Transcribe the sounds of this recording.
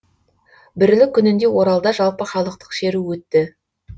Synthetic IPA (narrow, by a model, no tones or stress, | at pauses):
bɪɾlɪkʲʰːʏnɪnd̪e̞wo̞ɾɑlˠd̪ɑʒɑlˠpəχɑlˠəq̚t̪ə̥qʃeɾuwɵt̪ːɪ